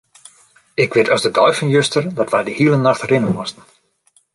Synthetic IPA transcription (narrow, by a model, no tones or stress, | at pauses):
ɪkʋɪtɔsdədɔjfənjøstərdɔtʋɛjdəhiəlˠənaxtrɪnənmɔstən̩